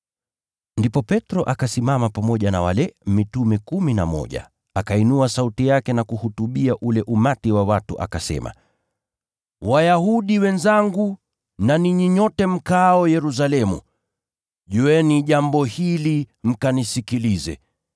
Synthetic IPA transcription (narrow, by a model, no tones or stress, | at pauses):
ndipɔpɛtɾɔʔakasimamapamɔʄana̰wa̰lɛmitumɛkuminamɔ̰ʄa̰ | akainuasautijakɛnakuhutuɓiaʔulɛʔumatiwawatuʔa̰kasɛ̰ma̰ | wajahuɗiwɛnzaŋɡu | naniɲiɲɔtɛm̩kaɔjɛɾus̬alɛmṵ | ʄuɛniʄambɔhilim̩kanisikilizɛ̰